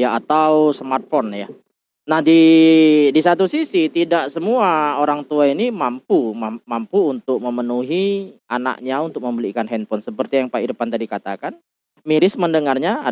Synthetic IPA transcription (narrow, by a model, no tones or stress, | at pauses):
jaat̪awsəmart̪̚fɔnja | nahdi | disat̪usisit̪idaʔsəmuaoɾaŋt̪uainimampumamampuːnt̪ʊk̚məmənuɦiana̰k̚ɲaunt̪ʊk̚məmbəlikanhɛn̚pɔnsəpərt̪ijaŋpaiɾpant̪adikat̪a̰kan | miɾɪsməndəŋarɲaa